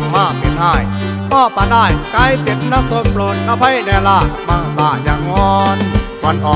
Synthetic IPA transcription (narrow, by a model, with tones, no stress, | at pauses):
maː˧˩pe˨˩nɦaː˥˩j | mɔː˧˩pːa˧daː˥˩jka˧˥˩jpe˨˦nːa˧˥mso˧˦˥t̚ploː˨˩t̪̚ʔa˧pʰa˧˦˥jnɛː˧laː˧˩maː˧˩˨saː˨˩jaː˨˩ŋɔː˧n | wa˧˥nʔɔː˨˩